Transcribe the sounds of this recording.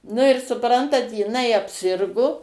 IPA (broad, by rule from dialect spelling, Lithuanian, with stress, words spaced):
nʊ ɪr sʊˈprɐntɐt jɪˈnɐɪ ɐpʲˈsʲɪrɡoː